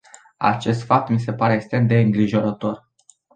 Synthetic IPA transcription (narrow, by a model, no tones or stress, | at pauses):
a̰t͡ʃe̞st̪fap̚t̪mise̞paɾeːkst̪ɾemd̪e̞ɨŋɡɾiʒo̞ɾət̪o̞r